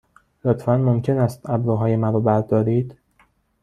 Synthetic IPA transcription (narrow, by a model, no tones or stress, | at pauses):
lot̪ʰfænmomcʰe̞næst̪æbɾɒːɦɒːjemæɾɔːbæɾd̪ɒːɾiːd̪̥